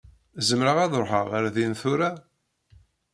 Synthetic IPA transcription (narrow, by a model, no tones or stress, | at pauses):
zəmɾəʁæðɾħəʁəɾðinθuɾa